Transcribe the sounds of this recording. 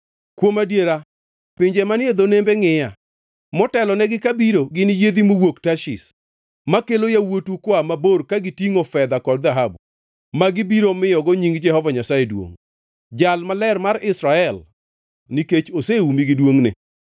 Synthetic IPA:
kwomadjeɾa | pɪɲd͡ʒemaned̪onembeŋɪja | mɔtɛlɔnɛɡɪkabiɾoɡɪnɪjed̪imowoktaʃɪs | makelojawotukwamaborkaɡɪtiŋofɛd̪akɔdd̪aɦabu | maɡɪbiɾomɪjɔɡɔɲiŋd͡ʒɛhɔvaɲasajedwo̰ŋ | d͡ʒalmalɛrmaɾɪsɾaɛl | niket͡ʃoseumiɡɪdwoŋnɪ̰

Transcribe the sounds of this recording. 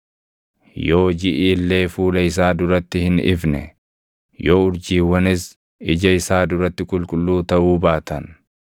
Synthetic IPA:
jo̞ːd͡ʒɪʔiːlːe̞ːfuːlɐɪs̬aːd̪ʊɾɐt̪ːɪhɪnɪ̰fnɛ̰ | jo̞ːʊɾd͡ʒiːwːɐnɪs | ɪd͡ʒɐɪsaːd̪ʊɾɐt̪ːɪkʼʊlkʼʊlːuːt̪ɐʔuːbaːt̪ɐn

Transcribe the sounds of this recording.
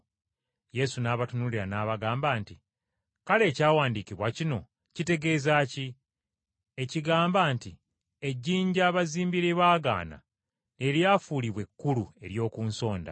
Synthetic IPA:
je̞sunaːβatunuliɾanaːβaɡaːmbaːnti | kale̞ːcaːwaːndikiβwacino̞ | cite̞ɡe̞ːzaːci | e̞ciɡaːmbaːnti | e̞ɟːiːɲɟaːβaziːmbiɾeβaːɡa̰ːna̰ | ne̞ljaːfuːliβwe̞kːulue̞ɾjo̞ːkuːnso̞ːnda̰

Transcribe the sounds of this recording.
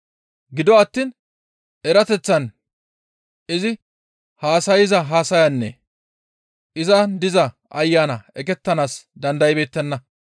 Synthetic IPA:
ɡɪd̪ɔɐt̪ːiːn | ɛɾɐt̪ɛt͡sːɐn | ɪzɪ | haːsɐjɪzɐɦaːsɐjɐnːɛ̰ | ʔɪzɐd̪ɪzɐ | ʔɐjːaːnɐɛkɛt̪ːɐnaːsd̪ɐnd̪ɐjɪbe̞ːt̪ːɛnːɐ

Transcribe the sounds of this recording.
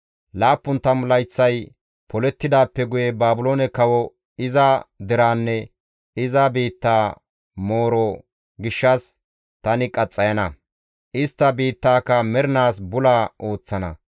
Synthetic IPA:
laːpːʊnt̪ːɐmlɐjt͡sːɐj | pɔlɛt̪ːɪd̪aːpːɛɡʊjɛbaːbʊloːnɛkɐwɔ | ɪzɐd̪ɪɾaːnːɛ | ɪzɐbiːt̪ːaː | mo̞ːɾɔ | ɡɪʃːɐs | t̪ɐnɪkʼɐt͡sʼːɐjɐnɐ | ʔɪst̪ːɐbiːt̪ːaːkːɐmɛɾɪnaːsbʊlaːʔo̞ːt͡sːɐnɐ̰

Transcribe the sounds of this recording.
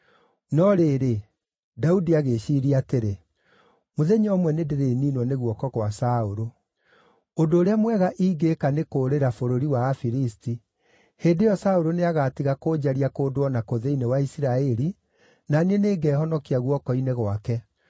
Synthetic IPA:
nɔɾeːɾe | daudiaɣeʃiɾiateɾe | moðɛɲɔmwɛnedeɾeninwɔneɣwɔkɔkwasaoɾo | ondoːɾeamwɛɣaʔiːɡekanekoːɾeɾafoɾoɾiwaːfiɾisti | heːndejɔsaoɾoneaɣatiɣakoːd͡ʑaɾiakoːdwɔnakoðeinewaisiɾaɛɾi | naneneːɡɛːhɔnɔkiaɣwɔkɔineɣwakɛ

